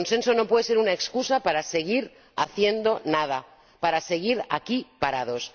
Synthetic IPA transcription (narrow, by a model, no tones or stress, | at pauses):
onse̞nso̞no̞pwe̞ðese̞ɾunaekskusapaɾase̞ɣiɾ | a̰θje̞nd̪o̞naða | paɾase̞ɣiɾa̰kipaɾaðo̞s